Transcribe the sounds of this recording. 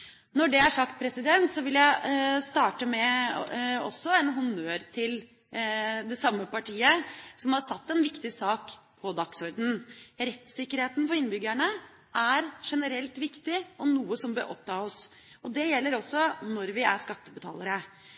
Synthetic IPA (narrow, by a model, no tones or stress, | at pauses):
nɔɖɛæʂɑkt̪̚pʰɾɛsɪd̪ɛnt̪sɔʋɪljæɪst̪ɑːʈəmɛ | ɔ̰sːɔɛnɦʊnøːɾt̪ʰɪl | d̪ɛsɑmːəpɑʈʰiːəsɔmhɑɾsɑt̪ːɛnʋɪkt̪ɪsɑːkpʰɔd̪ɑksɔɾd̪n̩ɾɛt̪sɪkːəɾheːt̪n̩pɔɪnːbʏɡæɳə | ʔæɾʂɛnəɾɛlt̪ʋɪkt̪ɪɔnuːəsɔmbə̰ʔɔ̰pt̪ɑːɔs | ɔd̪ɛjɛlːəɾɔsːɔnɔɾʋɪæ̰ʂkɑt̪ːəbət̪ʰɑ̰ːləɾə